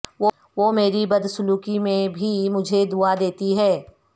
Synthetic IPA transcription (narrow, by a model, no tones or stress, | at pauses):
o | ʋoːmeːɾibɐd̪sʊluːkimẽbʱimʊd͡ʒʱed̪uad̪eːt̪iɦɛː